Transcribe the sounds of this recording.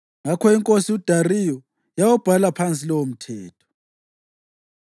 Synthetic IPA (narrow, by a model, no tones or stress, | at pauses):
ŋakʰɔiŋkʼosiud̥ʱarijɔ | jawɔb̥ʱalapʰant͡sʼilɔwom̩tʰɛːtʰɔ̥